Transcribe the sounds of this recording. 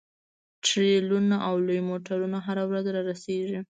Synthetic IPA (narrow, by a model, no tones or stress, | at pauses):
ʈɾelunaʔawlojmoʈaɾunaɦaɾawɾazɾɑɾaseʒi